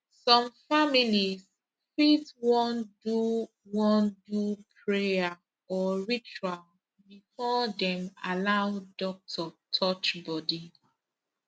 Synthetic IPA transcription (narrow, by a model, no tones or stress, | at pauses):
sɔ̃mfamilis | fitwɔ̃ndu | wɔ̃ndupʰɹea | ɔɹit͡ʃual | bifɔdɛ̃malaʊdɔk̚tʰɔtʰɔt͡ʃbɔdi